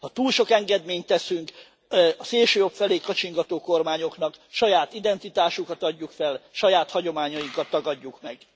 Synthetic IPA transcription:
hɒt̪uːlʃo̞kɛŋɡɛd̪meːɲt̪ːɛsyŋk | ɒseːlʃøːjo̞pfɛleːkɒt͡ʃiŋɡɒt̪oːko̞rmaːɲo̞knɒkʃɒjaːt̪id̪ɛnt̪it̪aːʃukɒt̪ɒɟːukfɛlʃɒjaːt̪hɒɟo̞maːɲɒjiŋkɒt̪ːɒɡɒɟːukmɛɡ̥

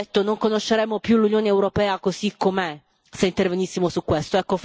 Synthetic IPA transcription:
t̪ːonoŋkonoʃːeɾɛmːopjulunjoːneːwɾopɛːakozikːome | seint̪ervenisːimosukːwest̪oɛkːof

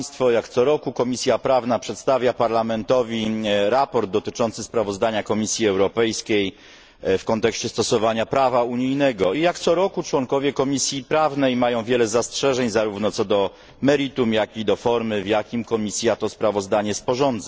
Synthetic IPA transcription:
st̪fɔjakt̪sɔɾɔkukɔmʲisʲjapɾavnapʂɛt̪st̪avʲjapaɾlamɛnt̪ɔvʲiɾapɔɾd̪̚d̪ɔt̪ɘt͡ʂɔnt̪sɘspɾavɔzd̪aɲakɔmʲisʲjiɛwɾɔpɛjskʲej | fkɔnt̪ɛkɕt͡ɕɛst̪ɔsɔvaɲapɾavauɲijnɛɡɔijakt̪sɔɾɔkut͡ʂwɔŋkɔvʲjɛkɔmʲisʲjipɾavnɛjmajɔ̃w̃vʲjɛlɛzastʂɛʐɛɲzaɾuvnɔt̪sɔd̪ɔ | mɛɾit̪umjakʲid̪ɔfɔɾmɘvjakʲimkɔmʲisʲjat̪ɔspɾavɔzd̪aɲɛspɔʐɔnd̪za

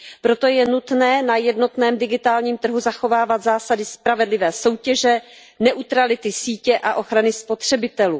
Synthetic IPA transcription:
pɾo̞t̪o̞jɛnut̪nɛːnajɛdno̞t̪nɛːmdɪɡɪt̪aːlɲiːmt̪r̩ɦuzaxo̞vaːvat̪zaːsadɪspɾavɛdlɪvɛːso̞wcɛʒɛ | nɛʔut̪ɾalɪt̪ɪsiːcɛʔaʔo̞xɾanɪspo̞t̪r̝̥ɛbɪt̪ɛluː

